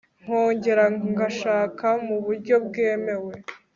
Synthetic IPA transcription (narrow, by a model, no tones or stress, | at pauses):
ŋ̥ho̞ːɲɟe̞ɾaŋɡaʃaːkamuβuɾɟo̞bɡeːme̞we̞